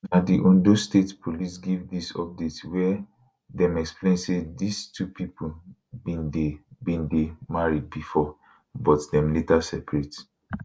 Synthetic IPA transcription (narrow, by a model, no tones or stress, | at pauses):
nadiʔɔ̃ndostetpʰolisɡivdisɔp̚detwɛ | dɛ̃mɛksplẽnsedistʰupʰipʰo | bĩndebĩndemaɹid̚bifɔ | bɔtdɛ̃mletasɛpɹet